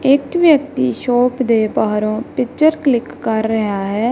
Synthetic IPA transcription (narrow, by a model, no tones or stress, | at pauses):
ɪkʋjək̚t̪iːʃoːpd̪eːpaːɾõːpɪkt͡ʃəɾklɪkːəɾːəɦaːɦɛː